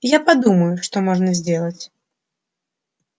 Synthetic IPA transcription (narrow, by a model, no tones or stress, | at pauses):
japad̪uməjuʂt̪ɔmɔʐnɐzʲd͡zʲɛlˠɐt͡sʲ